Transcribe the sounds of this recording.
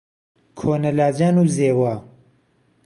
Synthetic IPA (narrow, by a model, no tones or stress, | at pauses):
kʰoːnɐlaːd͡ʒaːnuːzeːwaː